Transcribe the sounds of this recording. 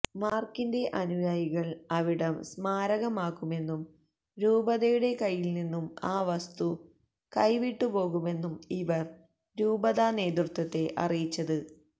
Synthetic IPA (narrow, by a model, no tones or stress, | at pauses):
maːrkinde̞ʔɐnujaːjiɣɐɭɐʋiɽɐmsmaːɾɐɣɐmaːkːume̞nːum | ɾuːbɐðɐjuɽe̞kɐjːilninːumaːʋɐst̪u | kɐjʋiʈːupo̞ːɣume̞nːumiʋɐr | ɾuːbɐðane̞ːd̪rut̪ːɐt̪ːe̞ʔɐ̰rijit͡ɕːɐðɨ